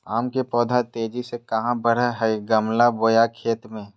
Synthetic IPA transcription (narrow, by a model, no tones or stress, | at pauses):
aːmkepɔːd̪ʱat̪eːd͡ʒisekɐɦãbəɽəɦɛɡəmlaboːjakʰeːt̪mẽː